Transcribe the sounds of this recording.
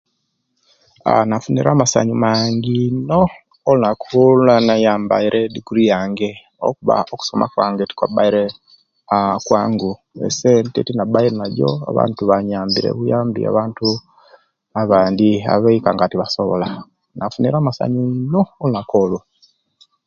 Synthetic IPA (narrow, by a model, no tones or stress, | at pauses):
a̰nafuniɾaːmasa̰ɲumaːŋɡinoː | lunakʰuluanajaːmba̰iɾʔediɡuɾijaːŋɡe | o̰kuβa̰oku̥somʔa̰kwaːŋɡeti̥kwabaiɾe | kwaːŋɡu | ḛsentetinabaiɾenaɟo̰a̰βa̰ːntuβaɲaːmbiɾḛβujaːmbḭa̰βaːntu | aβaːndia̰βeikaŋɡatiβasoβo̰la | nafuniɾaːmasa̰ɲinoːlunakola